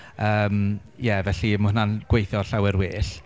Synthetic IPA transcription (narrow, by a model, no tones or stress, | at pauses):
əːm | jɛvɛɬimʊhnanɡ̥wejθjɔɬawɪɾwɪːɬ